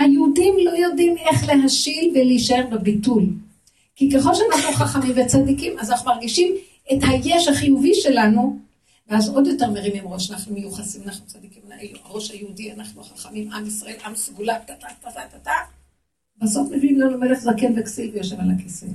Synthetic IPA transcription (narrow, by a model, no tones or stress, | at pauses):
hajeudimlo̞jo̞dime̞χle̞ɦaʃilveleiʃaeʁbebitul | kike̞χo̞lʃeanaχnuχaχamimvet͡sadikimazanaχnumaʁɡiʃim | ethaje̞ʃhaχijuviʃe̞lanu | veazo̞djo̞te̞ʁmeʁimimʁo̞ʃanaχnumejuχasimanaχnut͡sadikimlaʔeluaʁo̞ʃhajeudianaχnuχaχamimamisʁae̞lʔamsɡulatatatatatata | baso̞fmibnimlanumeleχzakenveksivjoʃevalakesim